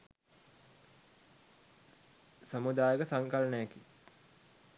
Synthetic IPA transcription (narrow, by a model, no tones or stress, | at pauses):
samud̪aːjəkəsaŋkalnəjaki